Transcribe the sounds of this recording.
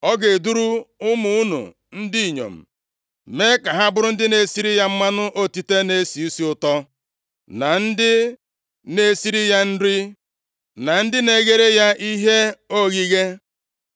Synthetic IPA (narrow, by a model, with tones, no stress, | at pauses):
ɔ˦ɡe˨du˦ɾu˦ʊ˦mu˨˦u˦nṵ˨ | n̩˦di˦i˨ɲo̰˨m̩˨ | me˦ka˨ɦa˦bʊ˦ɾʊ˦n̩˦dɪ˦ne˨si˦ɾi˦ja˦m̩˦ma˦nʊ˦ʔo˦ti˨te˦ne˦si˨i˦si˦ʊ˨tɔ˦ | na˨n̩˦dɪ˦ | ne˦si˦ɾi˦ja˦n̩˦ɾi˦ | na˨n̩˦dɪ˦ne˨ɣe˦ɾe˦ja˦ʔi˦ɦe˦o˦ɣi˦ɣe˦